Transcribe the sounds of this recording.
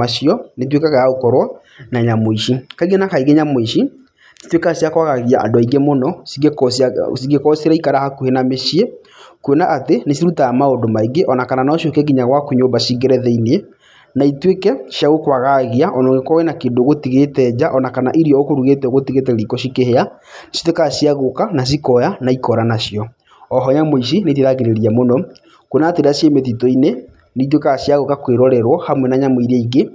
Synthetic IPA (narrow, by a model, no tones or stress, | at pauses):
aʃiɔnet̬wekaɣajaokɔɾwa | naɲamoiʃikaiɣenakaiɣeɲamoiʃi | si̥twekasjakwaɣaɣiaʔa̰doaiɡemonɔsieksasiɡekɔsiɾaikaɾahakuhenameʃie | kuenaʔatenesiɾutaamaodomaiɡeʔɔnakananaɔʃokɛɡiɲaɣwakoɲoːbaɕiɣeɾɛðɛinie | naitwekɛsjaɣokwaɣaɣiaʔɔnɔːŋɡekɔwɛnakeːndoɣotiɣetɛːd͡ʑaʔɔnakanaʔiɾiɔokoɾuɣetɛoɣotiɣet̬ɛɾikɔɕikehea | nsi̥tekaɕiaɣokanas̬ikɔjanaikɔɾanaɕjɔ | ɔɦɔɲamois̬inet̬iðaɣeɾeɾiamonɔ | kwenateɾasjemeðitɔine | neit̬wekasjaɣokakweɾɔɾɛɾwɔhamwɛnaɲamiɾeiɡe